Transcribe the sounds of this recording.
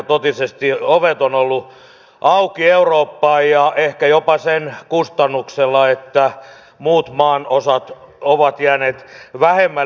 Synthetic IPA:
t̪ot̪isest̪ioʋet̪onolːu | ʔɑukieuroːpːɑːjjɑehkæjopɑsenkust̪ɑnːukselːɑet̪ːæ | muːt̪mɑːnosɑt̪oʋɑt̪jæːneːt̪ʋæhemːæ

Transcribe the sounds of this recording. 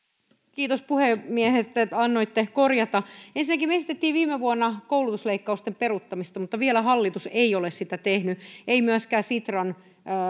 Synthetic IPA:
kiːt̪ospuhemiehet̪ːeɑnːoit̪ːekorjɑt̪ɑensinːækimeesit̪et̪ːiːʋʋiːmeʋuonːɑkoulut̪usleikːɑust̪emperut̪ːɑmist̪ɑmut̪ːɑʋielæɦɑlːit̪useiolessit̪æt̪ehnyʔeimyæskæːsit̪rɑnː

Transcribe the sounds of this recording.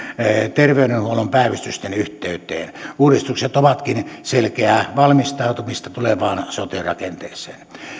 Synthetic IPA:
t̪erʋeyɾenhuolompæˑiʋyst̪yst̪enyht̪eˑyt̪ˑḛːnuːrist̪ukset̪oʋɑt̪kinselkeæʋɑlmist̪ɑˑut̪umist̪ɑt̪uleʋɑːnsot̪irɑ̰kent̪eːsˑḛːn

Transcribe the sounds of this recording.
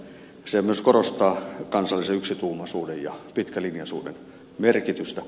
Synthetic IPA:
semyøskorost̪ɑːkɑnsɑlːiseyksit̪uːmɑsuːdejjɑ̰pit̪kælinjɑsṵːdḛn | merkit̪yst̪æ

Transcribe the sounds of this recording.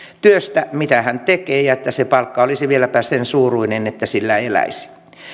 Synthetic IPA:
t̪yøst̪æmit̪æhænt̪ekeːjɑet̪ːæsepɑlkːɑolisiʋielæpæsensuːruinenet̪ːæsilːæelæ̰isi̥

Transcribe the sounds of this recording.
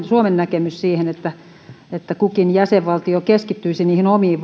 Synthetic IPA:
nsuomennækemyssiːhenet̪ːæ | et̪ːækukinjæseʋʋɑlt̪iokeskit̪ːyisiniːhinomiːʋʋ

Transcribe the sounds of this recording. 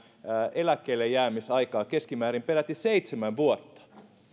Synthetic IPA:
elækːeilːejjæːmisɑikɑːkeskimæːɾimpelæt̪ːiseit̪semæʋʋuot̪ːɑ̥

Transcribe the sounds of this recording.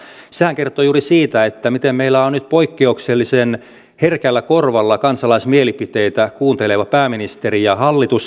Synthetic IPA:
sehæŋkert̪ojuːrisiːt̪æet̪ːæmit̪emmeilːæonnyt̪̚poikːeukselːisen | herkælːækorʋɑlːɑkɑnsɑlɑismielipit̪eit̪ækuːnt̪eleʋɑpæːminist̪erijɑhɑlːit̪us

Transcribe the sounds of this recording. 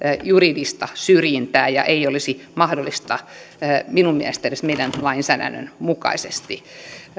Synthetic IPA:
juridist̪ɑsyrjint̪æːjɑ̰ʔeiolisimɑhdolːˑist̪ɑ | minummiæ̰st̪eresmeidænlɑinsæːdæ̰nːø̰nmukɑ̰isest̪i

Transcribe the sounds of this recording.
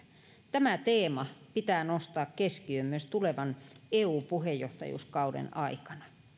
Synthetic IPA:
t̪æmæt̪eːmɑpit̪æːnost̪ɑːkkeskiømːyøst̪uleʋɑneːuːpuhejːoht̪ɑ̰jṵskɑudḛnɑikɑ̥nɑ

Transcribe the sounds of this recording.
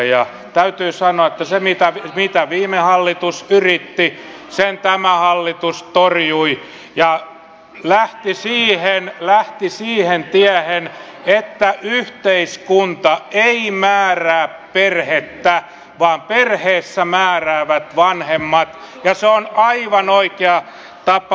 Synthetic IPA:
jɑ | t̪æyt̪yːsɑnoɑet̪ːæsemit̪æʋmit̪æʋiːmehɑlːit̪usyrit̪ːi | sent̪æmæhɑlːit̪ust̪orjui | jɑ | læht̪isiːhenlæht̪isiːhent̪iæhen | et̪ːæʔyht̪eiskunt̪ɑeimæːræːpperhet̪ːæ | ʋɑːmperheːsːæmæːræːʋæt̪ʋɑnhemːɑt̪ | jɑseonɑiʋɑnoikeɑ | t̪ɑpɑ

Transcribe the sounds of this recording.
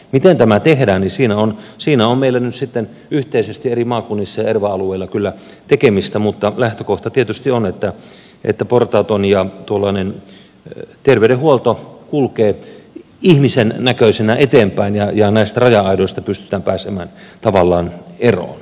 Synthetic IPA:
mit̪ent̪æmæt̪ehdæːnnisiːnæonsiːnæommeilːænyt̪sit̪ːen | yht̪eisest̪ierimɑːkunːisːɑjɑerʋɑɑlueilːɑkylːæ | t̪ekemist̪æmut̪ːɑlæht̪økoht̪ɑt̪iet̪yst̪ionet̪ːæ | ʔḛt̪ːæport̪ɑːt̪onjɑt̪uolːɑːnen | t̪erʋeydehuolt̪okulkeː | ihmisennækøisenæʔet̪eːmpæinjɑjɑnæist̪ærɑjɑɑidoist̪ɑpyst̪y̥t̪æːmpæːsemæːnt̪ɑʋɑlːɑːnero̰ːn

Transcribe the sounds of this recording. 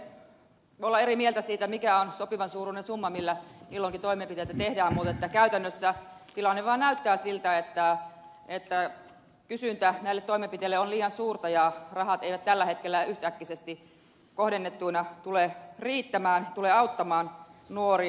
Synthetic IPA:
olːɑeɾimielt̪æsiːt̪æmikæonsopiʋɑnsuːruːnensumːɑmilːæmilːoŋkit̪oimempit̪et̪æt̪ehdæːmmut̪et̪ːækæyt̪ænːøsːæ | t̪ilɑnːeʋɑːnnæyt̪ːæːsilt̪æet̪ːæ | et̪ːæ | kysynt̪ænæilːet̪toimempit̪elːeoliːjɑnsuːrt̪ɑjɑrɑhɑt̪eiʋæt̪t̪ælːæhet̪kelːæyht̪ækːisest̪i | kohdenːet̪ːuinɑt̪uleːriːt̪ːæmæːnt̪uleːɑut̪ːɑmɑːnnuori

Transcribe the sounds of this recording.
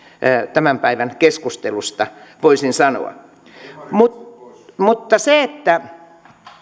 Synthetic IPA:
t̪æmæmpæiʋænkeskust̪elust̪ɑʋoisinsɑno̰ɑ̰ | mu | mut̪ːɑseet̪ːæ

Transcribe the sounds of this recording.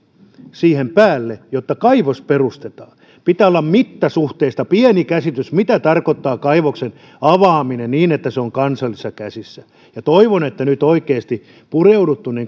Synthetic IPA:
siːhempæːlːejot̪ːɑkɑiʋosperust̪et̪ɑː | pit̪æːolːɑmmit̪ːɑsuht̪eːist̪ɑpiɛnikæsit̪ysmit̪æt̪ɑrkot̪ːɑːkɑiʋoksen | ɑʋɑːminenniːnet̪ːæseoŋkɑnsɑlːisːɑkæsisːæ | jɑt̪oiʋonet̪ːænyt̪oikeːst̪i | pureudut̪ːuniŋ

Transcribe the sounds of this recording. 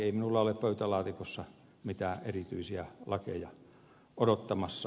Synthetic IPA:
eˑiminulːɑoleppøyt̪ælɑːt̪ikosːɑ | mit̪æːʔerit̪yisiæ̰lɑkḛjɑ | odot̪ːɑmɑsːɑ

